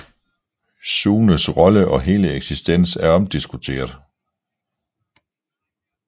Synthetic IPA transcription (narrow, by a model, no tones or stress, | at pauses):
suːnəsʁɒ̽ləʔɒ̽ɦe̝ːləeɡ̥sisd̥en̰sæɐɒ̽md̥isɡ̥ut͡sʰe̝̰ːɐðˠ